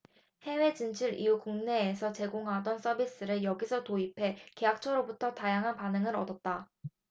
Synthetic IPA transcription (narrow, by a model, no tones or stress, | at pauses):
he̞we̞t͡ɕɯnt͡ɕʰiɾḭjukuŋne̞ːsʰʌt͡ɕe̞ɡoŋɦadʌns͈ʌbis͈ɯɾɯɭjʌɡisʰʌtoipʰe̞ke̞ɦak̚t͡ɕʰʌɾobutʰʌtajaŋɦanpanɯŋɯɾʌdʌt̚t͈a